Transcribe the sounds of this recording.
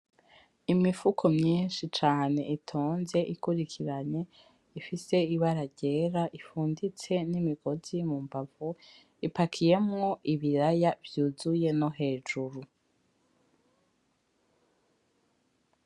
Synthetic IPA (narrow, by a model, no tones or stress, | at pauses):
imifukʰo̞mɲiːnʃit͡ʃaːne̞̰ʔitʰo̞ːnze̞ʔikuɾikʰiɾaɲe̞ | ifise̞iβaɾaɟe̞ːɾaʔifuːndit͡se̞nimiɡo̞zimumbavu | ipakʰije̞mŋo̞ʔiβiɾajavjuːzuje̞no̞ɦe̞ːʒuɾu